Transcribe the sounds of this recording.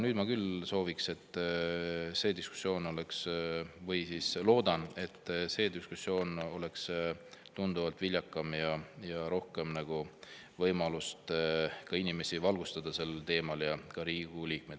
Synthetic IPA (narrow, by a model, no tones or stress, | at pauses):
nyːd̪̥mɑkylso̞ːvikse̞t̪ː | se̞ːd̪isku̥sːjo̞ːno̞le̞ksvɤjsislo̞ːd̪̥ɑne̞t̪ˑːse̞ːd̪iskusjo̞ːno̞le̞kst̪und̪̥uvɑlt̪vilʲjɑkːˑɑmjɑjɑɾo̞hke̞mnæɡ̥u | vɤjmɑlust̪kɑinime̞sivɑlɡust̪ɑd̪̥ɑse̞lːelt̪e̞ːmɑljɑkɑɾiːɡ̥uliːk̚me̞d̪